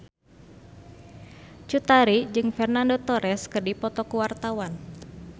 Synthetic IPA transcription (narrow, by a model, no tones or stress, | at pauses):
t͡ʃut̪aɾid͡ʒɨŋfɛrnandot̪ɔɾɛskərdipɔt̪ɔkuwart̪awan